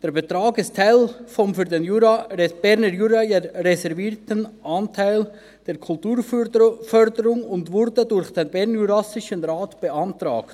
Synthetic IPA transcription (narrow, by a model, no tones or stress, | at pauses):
d̥eːɾbetʁɑːɡɪsttʰaɪlfɔmfyːɐdenjuɾab̥ɛɾnəɾjuːɾɑjeɾɛsɛɾviːtənʔɑntʰaɪl | d̥eːɾkʰʊltuːɾfœɾdəɾʊŋʊndvʊɾdədʊɾχd̥enbɛʁnjuɾɑsɪʃənɾaːtb̥əʔɑntʁɑ̰ːkt